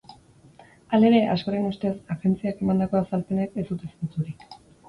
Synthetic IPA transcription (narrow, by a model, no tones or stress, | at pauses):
ale̞ɾe̞ʔasko̞ɾe̞nust̪e̞saɣe̞nt͡siake̞mand̪ako̞asalpe̞neke̞sd̪ut̪esunt͡suɾik